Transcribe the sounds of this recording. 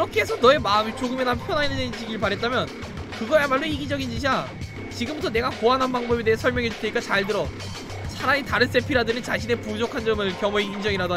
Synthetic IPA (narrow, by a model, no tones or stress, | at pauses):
kiɾʌkʰeɦesʰʌnʌe̞mamit͡ɕoɡɯmenampʰjʌnɦainɯned͡ʑiɡiɭpaɾɦe̞t̚t͈amjʌn | kɯɡʌemaɭːoiɡid͡ʑʌɡind͡ʑiɕʰia | t͡ɕiɡɯmbutʰʌne̞ɡakoanɦanbaŋbʌbedeɦesʰʌɭmjʌŋɦet͡ɕu̥tʰeɲik͈at͡ɕaɭtɯɾʌ | sʰaɾaitaɾɯns͈e̞pʰiɾadɯnɯnt͡ɕaɕʰine̞pud͡ʑokʰand͡ʑʌmɯɭkjʌmoiind͡ʑʌŋiɾada